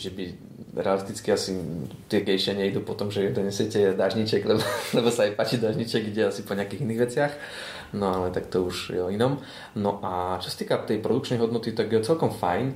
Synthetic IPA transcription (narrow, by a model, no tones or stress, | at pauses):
ʒɛbi | ɾɛ̰alist̪it͡skiasit̪ɪɛɡɛjʃɪaɲɛid̪uːpɔt̪ɔmʒɛɛd̪ɔɲɛsɪɛcɛd̪aʒɲit͡ʃɛɡlɛbɔlɛbɔsaajpaːt͡ʃid̪aʒɲit͡ʃɛɡɡɟɛasipɔɲɪakiːɣiniːɣʋɛt͡sɪax | nɔalɛt̪akt̪ɔuʒjɛ̰ɔinɔm | nɔʔat͡ʃɔ̥sḁt̪iːkat̪ɛjpɾɔd̪uk̚t͡ʃnɛjɦɔd̪nɔt̪it̪aɡjɛt͡sɛlkɔmfajn